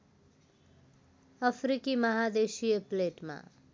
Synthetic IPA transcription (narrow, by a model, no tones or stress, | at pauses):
əfɾikiməɦad̪eʃiepleʈmã̰